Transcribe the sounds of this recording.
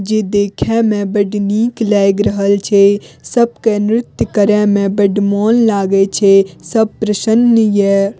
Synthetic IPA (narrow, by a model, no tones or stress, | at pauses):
d͡ʒed̪eːkʰɛ̃mẽbəɖniːklɛːɡɾəɦəlt͡ʃʰesəbkenɾɪt̪jəkəɾɛ̃mẽbɐɖmoːnlaːɡet͡ʃʰesəb̚pɾəʃənːəjɛː